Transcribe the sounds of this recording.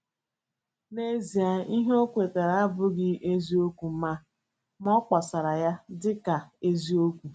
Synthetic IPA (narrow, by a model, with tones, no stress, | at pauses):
ne˦zi˨a˨i˦ɦe˦o˦kʷe˨ta˨ɾa˨a˦bʊ˦ɡɪ˦ʔe˦zi˦o˦kʷu˨˦ma˦ | m˦ɔ˦k͡pa˨sa˨ɾa˨ja˦dɪ˦ka˨e˦zi˦o˦kʷu˨